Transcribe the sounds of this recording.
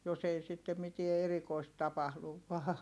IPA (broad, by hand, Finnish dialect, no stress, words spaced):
jos ei sitːe mitie erikoist tɑpɑhluʋ ʋɑː